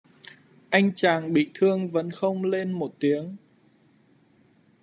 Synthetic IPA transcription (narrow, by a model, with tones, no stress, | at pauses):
ʔa˧jŋ̟t͡ɕaː˨˩ŋɓḭ˧˨t̪ʰɨ˧əŋvə̰˨˦nxə˧wŋ͡mle˧nmo˨˩t̚t̪i˨˦əŋ